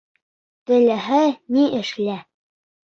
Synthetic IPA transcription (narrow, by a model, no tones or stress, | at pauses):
t̪ɘ̆læɦɘniʔɘ̆ʃlæ